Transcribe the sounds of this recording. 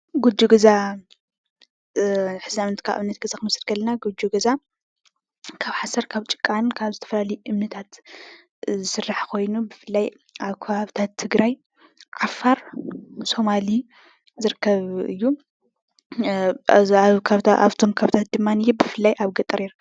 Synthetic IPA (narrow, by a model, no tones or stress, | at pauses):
ɡud͡ʒuɡɐza | ħɨziamnt̪kʰaʔβnːɐt̪̚ɡ̥ɐzakɨmɐsɾɡɐlɐnaɡud͡ʒuɡɐza | kʰaβħasɐɾkʰaβt͡ʃʼɨ̥kʼːankʰaβzɨt̪ʰɐfɐlalɐjʔɨmnɨt̪ʰat̪ | zɨsɨrːaħkʰo̞jnubɨfɨlːaj | aβkʰɐβaβt̪ʰat̪ʰːɨɡɾaj | ʕafaɾso̞mali | zɨɾɨkʰːɐβɨ̰jːu | kʰaβa̰βt̪ʰo̞mkʰaβt̪ʰat̪̚d̪ɨmːanɨjːɛbɨfɨlːajʔaβɡɐt̪ʼɐɾiɾ